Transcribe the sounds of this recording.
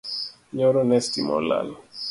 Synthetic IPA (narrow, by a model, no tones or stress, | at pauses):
ɲoɾɔnɛstimɔ̰la̰l